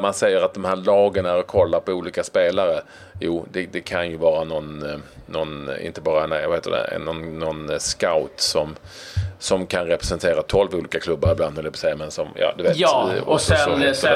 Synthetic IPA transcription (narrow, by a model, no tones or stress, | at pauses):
mansɛjːəɾat̪̚d̪ɔmhæːɭɑːɡənæɾɔkʰɔlːaɾpɔuːliːkaspeːlaɾə | juːd̪ɛd̪ɛkʰanjɵvɑːɾanɔnːɔnɪ̰nt̪əbɑːɾanævahet̪ə̰d̪ɛ̰nɔnːɔnskaʊt̪sɔm | sɔmkʰanɾɛpɾɛsɛnt̪ʰeːɾat̪ʰɔlvuːliːkakʰlɵbːaɾɪbland̪hɔld̪ɛpʰɔsɛjːamɛnsɔmjɑ̰ːd̪ɵveeːtːsɛɔ